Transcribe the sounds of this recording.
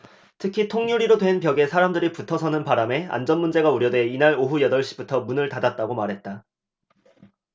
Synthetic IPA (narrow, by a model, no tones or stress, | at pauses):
tʰɯkʰitʰoŋɲuɾiɾodwe̞npjʌɡe̞sʰaɾamdɯɾiputʰʌsʰʌnɯnpaɾame̞a̰nd͡ʑʌnmund͡ʑe̞ɡauɾjʌdwe̞inaɾoɦujʌdʌɭɕ͈ibutʰʌmunɯɭtadat̚t͈aɡomaɾɦe̞t̚t͈a